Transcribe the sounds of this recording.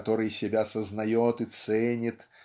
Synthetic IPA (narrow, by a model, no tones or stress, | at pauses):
t̪oɾɨjsʲɪbʲasəznɐjot̪ɨt̪sɛnʲɪt̪